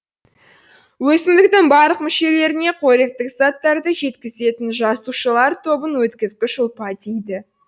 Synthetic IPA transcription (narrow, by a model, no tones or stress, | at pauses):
wɵsɪmd̪ɪk̚t̪ɪŋbɑɾlˠəqmɪʃe̞le̞ɾɪne̞qʰoɾek̚t̪ɪkzɑt̪ːɑɾd̪əʒe̞t̪kʲɪze̞t̪ɪnʒɑsuʃəlˠɑɾt̪ʰo̞bənwɵt̪kʲɪzkʲɪʒʊlˠpɑd̪ijd̪ɪ